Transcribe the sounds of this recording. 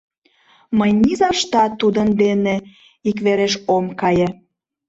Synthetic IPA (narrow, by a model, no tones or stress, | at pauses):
məjnizɑʃt̪ɑt̪ud̪ənd̪ene | ikβeɾeʃomkɑje